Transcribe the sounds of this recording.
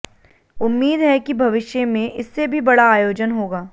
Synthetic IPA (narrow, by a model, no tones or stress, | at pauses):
ʊmːiːd̪ɦɛkibʱɐʋɪʃjəmẽʔɪsːebʱibɐɽaːjoːd͡ʒənɦoːɡaː